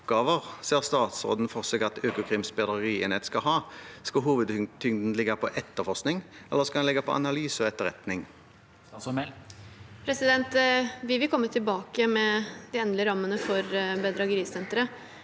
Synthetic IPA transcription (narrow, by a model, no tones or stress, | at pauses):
pɡɑːʋəʁseːʁst̪ɑːt̪sʁo̰ːd̪n̩fɔʁsɛːɡɑt̪ʰøːkʊkʰʁɪmsbɛd̪ʁiːɛnɛt̪skɑɦɑːskɑlɦuːʋəd̪t̪ʰʏŋd̪n̩lɪɡɑpʰɔʔɛt̪ːəfɔʁsknɪŋɛlːəʁskɑld̪ɛnlɪɡapʰɔ̰ɑ̰nɑlyːsəɔɛt̪ːəʁɛ̰t̪nɪŋ | pʰɾɛsɪd̪ɛnt̪ʋɪʋɪlkɔmːət̪ʰɪlbɑːkəmɛd̪ɪɛnd̪ləɾɑmːənəfɔɾbəd̪ɾɑɡəɾiːsɛnt̪əɾə